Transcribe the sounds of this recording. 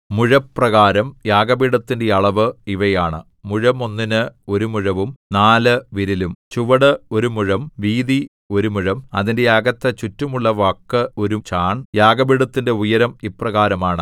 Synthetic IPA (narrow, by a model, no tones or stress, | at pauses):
muɻɐprɐɣaːɾɐmjaːɡɐbiɽɐt̪ːindeɐɭɐʋɨiʋɐjaːɳɨ | muɻɐmo̞nːinɨo̞ɾumuɻɐʋumnaːlɨʋiɾilumt͡ɕuʋɐɽɨo̞ɾumuɻɐmʋiːði | o̞ɾumuɻɐmɐðinde̞jaːɡɐt̪ːɐt͡ɕutːumuɭːɐʋaːkːɨo̞ɾut͡ɕaːɳjaːɡɐbiɽɐt̪ːinde̞ujɐɾɐmipːrɐɣaːɾɐmaːɳɨ